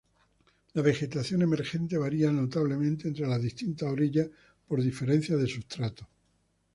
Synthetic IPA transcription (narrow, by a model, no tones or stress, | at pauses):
laβe̞xe̞t̪aθjo̞ne̞me̞ɾxe̞nt̪e̞βaɾiano̞t̪aβ̞le̞mẽnt̪eːnt̪ɾelaðist̪int̪aoɾiʎa | po̞ɾðife̞ɾẽ̞n̟θjaðesust̪ɾat̪o